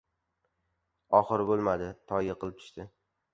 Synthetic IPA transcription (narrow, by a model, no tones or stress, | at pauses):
ɒχɨɾbolˠmad̪ɪt̪ʰɒjaqʰɨlˠɪp̚t͡ʃ̪ʰʊ̥ʃt̪ɪ